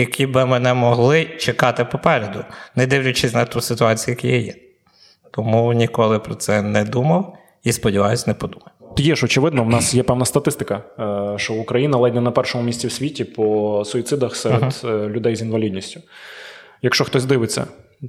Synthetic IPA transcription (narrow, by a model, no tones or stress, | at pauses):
jɐkʰʲibɪmɛnɛmɔɦlˠɪt͡ʃekɑt̪ɪpɔpɛɾʲɛd̪ʊnɛd̪ɪwlʲʊt͡ʃɪsʲnɐt̪usɪt̪ʊɑt͡sʲijʊjɐkʲijajɛ̰ | t̪ɔmunʲikɔlˠɪpɾɔt̪sɛnɛd̪umɐw | ispɔdʲiʋɑjʊsʲnɛpɔd̪umɐjt̪jɛʒɔt͡ʃɪʋɪd̪nɔwnɑsjɛpɛwnɐst̪ɐt̪ɪst̪ɪkɐʃt͡ʃɔʊkɾɐjinɐlˠɛdʲnɛnɐpɛrʃɔmʊmʲisʲt͡sʲiwsʲʋʲitʲipɔsʊit̪sɪd̪ɐxsɛɾelʲʊd̪ɛjzinʋɐlʲid̪ʲnʲisʲtʲʊ | jɐkʃt͡ʃɔxt̪ɔzʲd̪ɪʋɪt͡sʲːɐ̰